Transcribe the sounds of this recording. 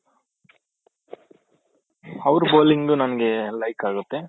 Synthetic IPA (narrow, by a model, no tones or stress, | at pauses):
ɐʋɾuboːliŋɡɖunɐnɐɡe̞lɐjkaːɡut̪ːe